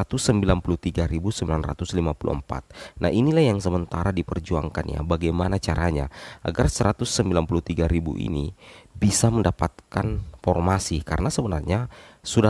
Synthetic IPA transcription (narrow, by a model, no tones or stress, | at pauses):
at̪ʊsːəmbilanpuluht̪iɡaɾibusəmbilanra̰t̪ʊslimapulṵə̰mpa̰t̪̚na̰ʔinilahjaŋsəmənt̪aɾadipərd͡ʒua̰ŋkanja̰baɡajmanat͡ʃaɾaɲa̰ʔa̰ɡarsəɾat̪ʊsːəmbilanpuluht̪iɡaɾibṵʔḭnibisaməndapat̪̚kanfɔrmasikaɾənasəbənarɲasuda